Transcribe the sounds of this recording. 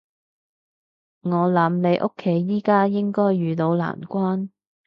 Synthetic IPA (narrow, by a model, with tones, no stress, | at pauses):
ŋɔː˨˧lɐ˨˥mle˨˧jʔʊ̰˥kʰːe˨˥jːiː˥kaː˥jɪ˥ŋkɔː˥jːyː˨t̪o˨˧wla̰ː˨˩nkʷwaː˥n